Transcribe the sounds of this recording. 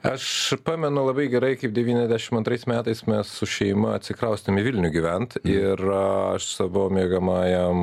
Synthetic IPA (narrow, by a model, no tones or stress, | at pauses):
ɐʃpɑːmʲɛnʊlˠɐbɐɪɡʲɛɾɐɪkɐɪp̚dʲɛʋʲiːnʲɛzʲd̪ʲæʃʲɪmɐnt̪ɾɐɪsmʲæːt̪ɐɪsmʲɛssʊʃʲɛɪmɐɐt̪ʲsʲɪkɾɐʊsʲt̪ɐmɪʋʲɪlʲnʲʊɡʲiʋʲɛnt̪ɪrɐʃsɐbooːmʲiːɡɐmɑːjɛm